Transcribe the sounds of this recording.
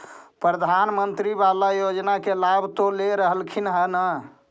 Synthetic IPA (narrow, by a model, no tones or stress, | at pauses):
pɾəd̪ʱanmənt̪ɾibalajod͡ʒnakelabʱt̪oleɾəɦəlkʰinɦənə